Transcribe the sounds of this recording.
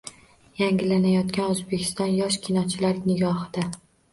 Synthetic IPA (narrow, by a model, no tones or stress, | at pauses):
jaŋɡʲɪlanajɒt̪kʲanɵzbe̞kʲʰɪ̥st̪ɒnjɒʃkʲʰɪnɒt͡ʃʰɪlaɾnɪɡɒhɪd̪̥a